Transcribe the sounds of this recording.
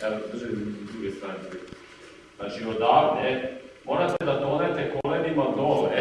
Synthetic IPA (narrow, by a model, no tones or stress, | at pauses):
ɛt̪od̪rʒed̪ɾuɡest̪aːɾiet | znat͡ʃiod̪aːɾnemoːɾat̪ed̪ad̪onet̪ekolenimad̪ole